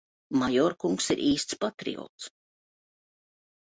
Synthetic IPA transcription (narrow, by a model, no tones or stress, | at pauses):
majɔɾkuŋksḭɾʔiːst̪spat̪ɾḭo̰t̪s